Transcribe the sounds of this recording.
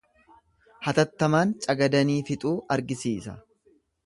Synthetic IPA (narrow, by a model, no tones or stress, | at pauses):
hɐt̪ɐt̪ːɐmaːnt͡ʃʼɐɡɐd̪ɐniːfɪt̪ʼuːʔɐɾɡɪsiːsɐ̰